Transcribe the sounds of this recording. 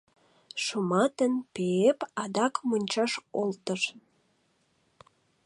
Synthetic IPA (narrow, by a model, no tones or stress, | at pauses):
ʃumɑt̪ənpeepɑd̪ɑkmonʲt͡ɕɑʃolt̪əʃ